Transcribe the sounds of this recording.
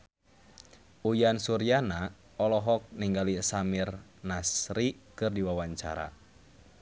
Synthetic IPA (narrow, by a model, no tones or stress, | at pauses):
ujansuɾiana | ɔlɔɦɔk̚niŋɡalisamirnasɾikɨrdiwawaɲt͡ʃa̰ɾa̰